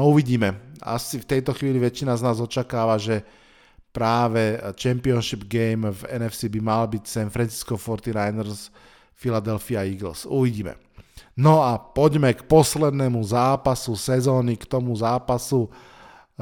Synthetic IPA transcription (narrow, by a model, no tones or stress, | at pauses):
uʋiɟiːmɛa̰sift̪ɛjt̪ɔxʋiːliʋɛt͡ʃːinaznaːzɔt͡ʃakaːʋaʒɛ | pɾaːʋɛt͡ʃɛmpiɔnʃibɡɛɪmvɛnɛfsibimalbicsɛnfɾɛnt͡si̥skɔfɔɾt̪inajnɛɾs | filad̪ɛlfiaiɡl̩suʋiɟiːmɛ̰ | nɔapɔɟmɛkpɔslɛd̪nɛmuzaːpasusɛzɔːnikt̪ɔmuzaːpasu